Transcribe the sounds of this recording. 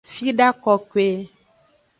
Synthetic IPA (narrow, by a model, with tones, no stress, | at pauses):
fi˦ɖa˦kɔ˨ke˦